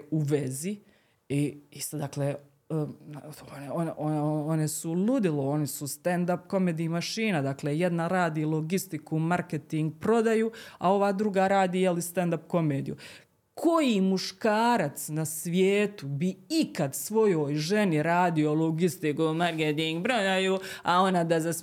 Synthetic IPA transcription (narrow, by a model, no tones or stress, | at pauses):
uʋezi | iist̪d̪akleː | oneonʔononesulud̪ileo̞nisust̪end̪apko̞meːd̪iːmaʃiːnad̪akleːje̞d̪naɾaːd̪iːlˠoɡist̪ikumaɾket̪iŋɡ̚pɾo̞d̪ajua̰o̞ʋaːd̪ɾuɡaɾaːd̪iːjelist̪end̪apko̞meːd̪ijṵ | kʰo̞jimuʃkaːɾat̪snasʋjeːt̪ubiikad̪sʋo̞jo̞ːjʒe̞niɾaːd̪iolˠoɡist̪ikumaɾket̪iŋɡpɾod̪ajuao̞nad̪azas